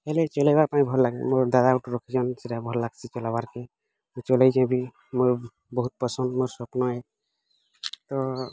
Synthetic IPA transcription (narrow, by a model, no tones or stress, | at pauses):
ɦelet͡ʃɔlajbaɾpaĩbʱɔɾlaɡemoɾd̪ad̪aɡɔʈuɾɔkʰit͡ʃɔnseɾabʱɔɾlaɡt͡ʃʰit͡ʃɔlabaɾke | mot͡ʃɔlajd͡ʒãbi | moɾ | bɔɦut̪̚pɔsɔnd̪moɾsɔpnɔe | t̪ɔ